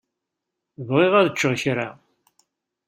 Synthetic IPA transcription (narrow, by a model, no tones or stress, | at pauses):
vʁeʁæðət͡ʃːəʁçɾa